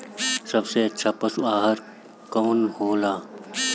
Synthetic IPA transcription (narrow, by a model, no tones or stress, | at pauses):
sɐbseɐtːʃʰapɐsuaːɦəɾ | kɔːnɦoːlaː